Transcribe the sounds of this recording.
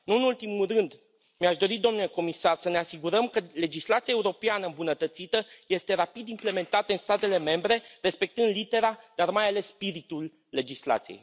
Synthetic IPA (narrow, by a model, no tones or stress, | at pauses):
nuɨnult̪imulrɨnd̪ | miaʃd̪o̞ɾid̪o̞mnuleko̞misarsəne̞asiɡuɾəmkəle̞d͡ʒislat̪siaeuɾo̞peanəɨmbunət̪ət̪sit̪əje̞st̪e̞ɾapid̪imple̞me̞nt̪at̪əɨnst̪at̪e̞le̞me̞mbɾe̞re̞spe̞k̚t̪ɨnd̪lit̪e̞ɾad̪̥armajale̞sːpiɾit̪ulː | e̞d͡ʒisla̰t̪sijḛj